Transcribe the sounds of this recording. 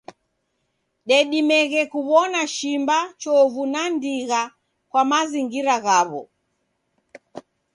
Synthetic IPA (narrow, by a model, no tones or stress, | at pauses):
ɗɛɗimɛɣɛkuβɔnaʃimbat͡ʃɔvunandiɣa | kwamaziŋɡiɾaɣaβɔ̰